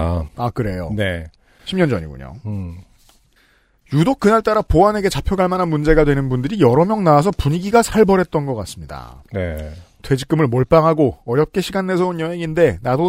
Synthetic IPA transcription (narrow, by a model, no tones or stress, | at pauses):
akɯɾe̞jo̰ne | ɕʰimɲʌnd͡ʑʌɲḭɡṵɲo̰ | judok̚k͈ɯnaɭt͈aɾapoane̞ɡe̞t͡ɕapʰjʌɡaɭmanɦanmund͡ʑe̞ɡadwe̞nɯnbundɯɾijʌɾʌmjʌŋnawasʰʌpuɲiɡiɡasʰaɭbʌɾɦe̞t̚t͈ʌnɡʌk͈as͈ɯmɲida̰netwe̞d͡ʑik͈ɯmɯɭmoɭp͈aŋɦaɡoʌɾjʌp̚k͈e̞ɕʰiɡanːe̞sʰʌonjʌɦe̞ŋinde̞nado